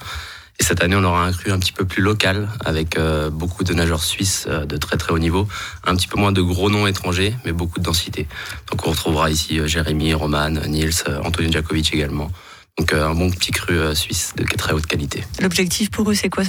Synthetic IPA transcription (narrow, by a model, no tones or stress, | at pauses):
esɛt̪aneɔ̃lɔʁaɛ̃kχyɛ̃pət̪ʰi̥pøplylɔkala̰vɛkøbokʰud̪ənaʒœʁsɥisø̰d̪ət̪χɛt̪χɛonivoɛ̃pət̪i̥pømwɛ̃d̪əɡʁonɔ̃et̪χɑ̃ʒemɛbokud̪əd̪ɑ̃sit̪ed̪̥ɔ̃kɔ̃ʁət̪χuvʁaisiøʒeʁemiʁɔmannilsø̰ɑ̰̃t̪ɔnjoʒakovit͡ʃeɡalmɑ̃ | d̪̥ɔ̃køɛ̃bɔ̃pt̪ʰikχyøsɥisd̪ə̰kt̪χɛot̪kalit̪elɔbʒɛk̚t̪ʰifpuʁøsɛkwa